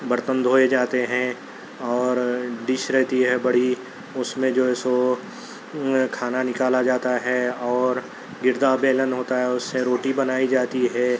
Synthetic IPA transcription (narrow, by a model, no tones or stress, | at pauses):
bəɾt̪ə̃nd̪ɦoːed͡ʒaːt̪eɦɛ̃ | ɔːɾɖɪʃɾɛɦt̪iɦɛbɐɽi | ʊsmẽd͡ʒoːɛːso | kʰaːnanɪkaːlad͡ʒaːt̪aɦɛɔːɾ | ɡɪɾd̪abeːlənɦoːt̪aɦɛʊsːeɾoːʈibɐnaːid͡ʒaːt̪iɦɛː